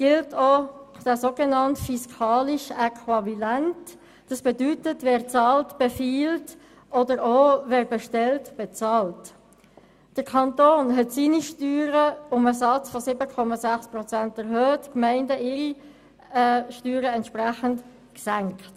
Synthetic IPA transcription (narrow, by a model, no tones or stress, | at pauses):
ɡ̥ɪltʰod̥ɛsoːɡenɑntfiskʰɑːliʃɛkʰʋɑvilænt | d̥ɑsb̥edytətvɛːɾt͡sɑːltb̥efiːlt | ʔɔdəɾovɛːɾbeʃtɛltb̥et͡sɑːlt | d̥əɾkʰɑntoːnɦɛtsiːniʃtyːɾəʊməsɑt͡sfɔsɪbəkʰɔmɑzæχsprɔt͡sæntɛɾɦøːtkmɛɪndəɪːʁi | ʃtyːɾəɛntʃpʁæχənt | ksæŋkt